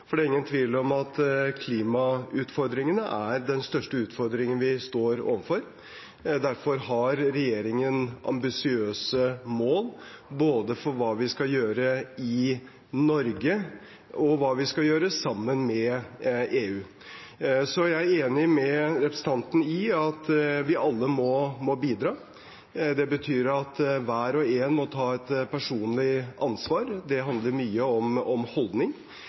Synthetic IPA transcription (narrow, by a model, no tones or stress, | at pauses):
fɔɖɛæɾɪŋːənt̪ʰʋiːlɔmɑt̪kʰliːmɑʉːt̪fɔɾd̪ɾɪŋənəʔæɾd̪ɛnst̪œʂʈəʉːt̪fɔɾd̪ɾɪŋənʋɪst̪oːɾo̰ːʋənfɔɾ | d̪æɾfɔɾɦɑɾɾɛjeːɾɪŋənʔɑ̰mbɪsɪøːsəmoːlboːd̪əfɔɾʋɑːʋɪskɑljøːɾəɪ | nɔɾɡə | ɔʋɑːʋɪskɑjøːɾəsɑmːənmɛʔeːʉː | sɔjæɪæɾeːnɪmɛɾɛpɾəsən̩ɑnt̪nəɪɑt̪ʋɪʔɑlːəmɔmɔbiːd̪ɾɑː | d̪ɛbət̪ʰyːɾɑt̪ʋæːɾɔeːnmɔt̪ʰɑːɛt̪pʰæʂuːnlɪʔɑnsʋɑːɾd̪ɛɦɑnd̪ləɾmyːəɔmɔmhɔld̪nɪŋ